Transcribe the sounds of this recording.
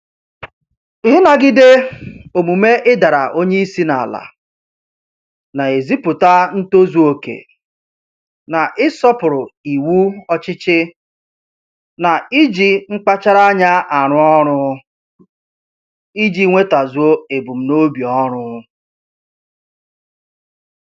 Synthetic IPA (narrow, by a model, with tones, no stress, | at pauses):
ɪ˨ɦi˦na˨ɡɪ˦de˦o˨mu˨me˦ʔɪ˦da˨ɾa˨ʔo˦ɲe˦i˦si˦na˨la̰˨ | na˨e˨zi˦pʊ˨ta˦n̩˦to˦zu˨o˨kḛ˨ | na˨ʔɪ˦sɔ˦pʊ˨ɾʊ˨i˨wu˦ɔ˦t͡ʃɪ˦t͡ʃɪ˦ | na˨i˦d͡ʒi˨ŋ͡m̩˦k͡pa˦t͡ʃa˦ɾa˦a˦ɲa˦ʔa˨ɾ̃ʊ˦ɔ˦ɾʊ˦ | i˦d͡ʒi˦ŋʷe˦ta˨zu˨˦o˦e˨bu˨m̩˨no˦bi˨ɔ˦ɾʊ˦